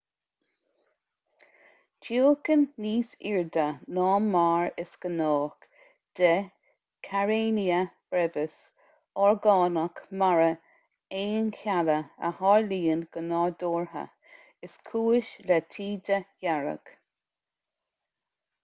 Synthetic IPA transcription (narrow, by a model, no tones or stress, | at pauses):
t͡ʃiəkənːiːsiɹd̪ənɑːmmːaːɹɪsɡ̥ənɔːk | d̪̥ə | kʰaɹeːniəb̥ɾɛvəs | ɔɹɡɑːnəkmaɹə | eːnkʰʲaləə̰hɑːɹliːənɡ̥ənɑːd̪oːɹhə̰ | ɪskʰuːɪʃlɛt̪ʰiːd̪əjaɹə̰ɡ̥